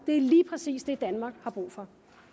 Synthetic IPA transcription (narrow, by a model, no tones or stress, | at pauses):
d̥e̝æɐliːpʰʁɛsḭːsd̥e̝d̥ænmɑ̈ːɡ̥hɑ̈b̥ʁṵːfɒ̽